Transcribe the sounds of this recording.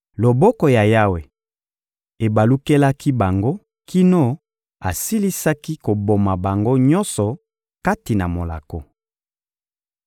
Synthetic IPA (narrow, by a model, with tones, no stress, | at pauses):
lo˨bɔ˦kɔ˨ja˨ja˦we˨ | e˨ba˨lu˦ke˦la˦ki˦ba˨ŋɡo˦ | ki˦no˦ | a˨si˦li˦sa˦ki˦ko˨bo˨ma˨ba˨ŋɡo˦ɲɔ˦nsɔ˨ | ka˦ti˨na˨mo˨la̰˨ko˨